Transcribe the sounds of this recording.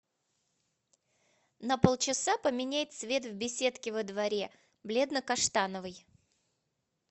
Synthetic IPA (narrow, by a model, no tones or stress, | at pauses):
nəpolˠt͡ɕɪsapəmʲɪnʲæjɪt̪svʲe̞t̪vbʲɪsʲe̞t̪kʲɪvəd̪vɐɾʲe | blʲe̞d̪nəkɐʂt̪anəvɨj